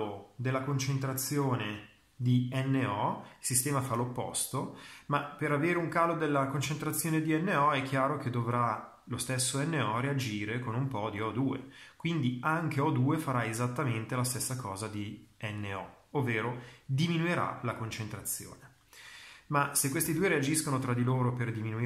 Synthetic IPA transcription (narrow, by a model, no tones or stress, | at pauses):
od̪elːakont͡ʃent̪ɾat̪sːjoːne | d̪iɛnːeɔilsist̪ɛːmafalopːɔ̰st̪omapeɾaveːɾeuŋkaːlod̪elːakont͡ʃent̪ɾat̪sːjoːned̪iɛnːeɔɛkʰːjaːɾok̟ed̪ovɾa | lost̪esːoɛnːeɔread͡ʒiːɾekonumpɔd̪iɔd̪uːḛkwind̪iaŋk̟eɔd̪uːefaɾaezat̪ːament̪elast̪esːakɔːzad̪iɛnːeɔovːeːɾod̪iminueɾa̰lakont͡ʃent̪ɾat̪sːjo̰ːne | masekwest̪id̪uːeɾead͡ʒiskonot̪ɾad̪iloːɾoperd̪iminui